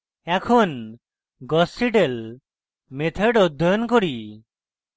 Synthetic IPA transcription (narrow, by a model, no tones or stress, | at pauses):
ɛkʰon | ɡɔsiʈel | met̪ʰeɖɔd̪ʱːɔjɔnkoɾi